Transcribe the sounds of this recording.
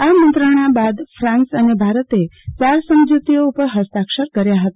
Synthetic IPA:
amə̃nt̪ɾəɽ̃abad̪fʰɾãnsənebʱaɾət̪et͡ʃaɾsəmd͡ʒut̪ijoupəɾɦəst̪akʃəɾkəɾjaɦət̪a

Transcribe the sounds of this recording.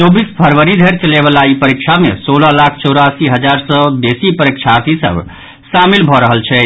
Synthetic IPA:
t͡ʃobispʰəɾʋəɾid̪ʱeɾt͡ʃəleβəlaipəɾikt͡ʃʰamesoləlakʰt͡ʃɔwɾasiɦəd͡ʒaɾsəbesipəɾik̚t͡ʃʰat̪isə̰bʱ | samilbʱɔɾəɦəlt͡ʃʰɛ

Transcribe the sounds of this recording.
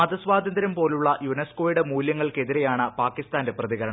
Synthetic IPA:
ɐd̪ɐsʋaːd̪ʱɐnd̪ɾɐmpo̞ːluɭːɐjunesko̞ːjiɽemuːljɐŋːɐɭke̞ðiɾejaːɳɨpaːkːist̪aːndeprɐðiɣɐɾɐɳ

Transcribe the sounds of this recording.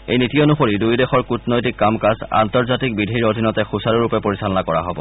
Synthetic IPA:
ḛjnitijɔnuxoɹidujdɛxɔɹkutnɔjtikːamkasa̰ntɔɹzatik̚bidʱiɹodʱinɔtɛxusaɹuɹupɛpoɹisalɔnakɔɹa̰ɦobɔ̰

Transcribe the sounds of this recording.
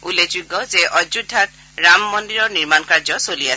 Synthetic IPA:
ulezuɡːɔzeʔɔjd͡ʒudʱːat | ɹamːɔndiɹɔɹniɹmankaɹzɔsolias

